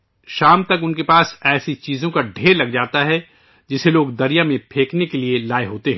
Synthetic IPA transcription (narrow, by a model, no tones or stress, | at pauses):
ʃaːmt̪ɐkʊnkepaːsɛːsit͡ʃiːzõkaɖʱeːɾlɐɡd͡ʒaːt̪aɦɛ | d͡ʒɪseloːɡd̪ɐɾijamẽpʰeːknekelielaːeɦoːt̪eɦɛ̃ː